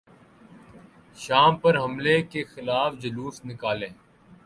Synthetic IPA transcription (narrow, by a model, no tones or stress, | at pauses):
ʃaːmpəɾɦəmleːkexɪlaːfd͡ʒəluːsnɪkaːlẽː